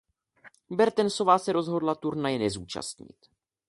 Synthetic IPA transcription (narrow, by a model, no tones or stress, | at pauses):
bɛɾt̪ɛnso̞vaːsɛɾo̞zɦo̞dlat̪uɾnajɛnɛzuːt͡ʃa̰st̪ɲɪ̰t̪